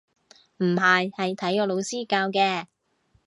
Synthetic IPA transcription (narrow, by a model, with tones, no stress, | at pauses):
m̩˨˩hɐ˨jhɐ˨jt̪ʰɐ˨˥jkɔː˧lo˨˧wsiː˥kaː˧wkɛː˧